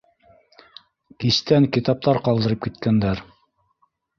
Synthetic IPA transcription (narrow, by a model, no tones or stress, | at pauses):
kist̪æŋkit̪ɑp̚t̪ɑɾqɑlˠd̪ɤ̆ɾɤp̚kit̪̚kænd̪æɾ